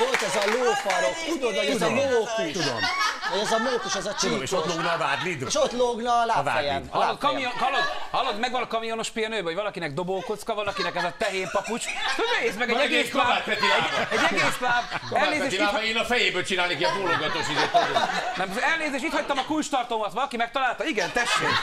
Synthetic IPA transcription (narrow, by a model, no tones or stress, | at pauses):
olt̪ɛzɒloːfɒlokt̪ud̪od̪ɔɛzmokut̪ud̪o̰mvɔjɛzɒmoːkiʃɛzɒt͡ʃieʃot̪loɡnɔvaːd̪lid̪eʃot̪loɡnɒlaːva̰dj̰not̪kɒmijoɒlod̪hɒlod̪mɛɡvɒnɒkɒmijono̞ʃpiɒnøːbɒoɟvɒlɒkinɛɡ̚d̪oboːkot̪skɒvɒlɒkinɛkɛzɒt̪ɛɦeːmpɒput͡ʃsoneːsmɛɡɛɛɛɡeːsɔaːt̪pɛt̪iaɛɟɛɡɡeːslaːbɛlneːzzeːʃiaɛeːnɒfɛjeːbøːlt͡ʃinaːlnekiɔmoloɡɒt̪oʃid̪et̪nɛmɛlneːzeːʃiːt̪hɒc̚t̪ɒmɒkult͡ʃt̪ɒrt̪omɒt̪ʋɒlɒkimɛk̚t̪ɒlaːlt̪ɒiɡɛnt̪ɛʃːḛːk